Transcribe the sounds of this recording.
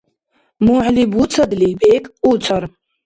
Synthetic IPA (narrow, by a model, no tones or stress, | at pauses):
muʕlibut͡sʰad̪lipʼekʼut͡sʷʰar